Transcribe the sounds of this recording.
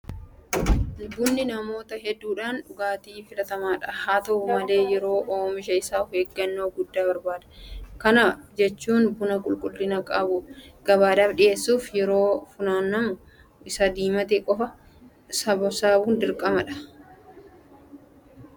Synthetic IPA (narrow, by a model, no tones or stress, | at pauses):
bʊnːɪnɐmo̞ːt̪ɐɦɛd̪ːuːᶑaːnᶑʊɡaːt̪iːfɪlɐt̪ɐmaːᶑɐhaːt̪ɐmɐle̞ːjɛɾo̞ːʔoːmɪʃɐɪsaːfeːɡːɐnːoːɡʊd̪ːaːbɐɾbaːd̪ɐ̥kɐnɐd͡ʒɛt͡ʃːuːnbʊnɐkʼʊlkʼʊlːɪnɐkʼɐbʊɡ̥ɐβaːd̪ɐfᶑɪje̞ːsːuːfjɛɾo̞ːfʊnaːnːɐmʊ | ɪsɐd̪iːmɐt̪ekʼɔfɐ | sɐbɔsaːbuːnd̪ɪɾkʼɐmɐᶑɐ̥